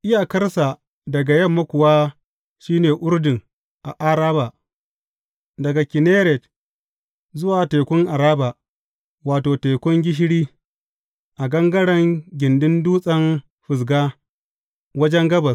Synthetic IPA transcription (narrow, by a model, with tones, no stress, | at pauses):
ʔɪ˦jaː˨kɐ˦rsa˨ | dɐ˨ɡa˨jɐ˦˨mːɐ˦kʷʊ˨waː˦ | ʃiː˦neː˨ʔʊ˦ɾdɪ˨ŋ | ʔa˨ʔa˦ɾaː˦ba˨ | dɐ˨ɡa˨kʲɪ˨neː˦ɾɛ˨t | zʊ˦waː˨teː˨kʷʊ˦ŋʔa˨ɾaː˦ba˨ | waː˨toː˨teː˨kʷʊ˦ŋɡʲɪ˦ʃ̬ɪ˦ɽiː˦ | ʔa˨ɡɐ˦ŋɡɐ˦ɽɐ˦ŋɡʲɪ˨ndɪ˦nduː˦sʼɐ˦n | ɸɪ˨s̬ɡaː˦ | wɐ˦d͡ʒɛ˦ŋɡɐ˦bɐ˨s